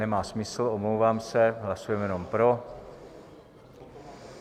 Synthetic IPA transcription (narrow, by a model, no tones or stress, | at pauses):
ɛmaːsmɪsl̩omlowvaːmsɛɦlasujɛmjɛno̞mpɾo̞